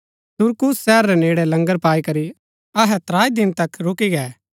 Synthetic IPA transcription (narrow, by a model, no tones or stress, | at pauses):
sʊɾkʊsːɛːɾːɛneːɽɛlɐ̃ŋɡəɾpaːikɐɾi | ɐɦɛt̪ɾaːid̪ɪnt̪ɐkɾʊkiɡɛː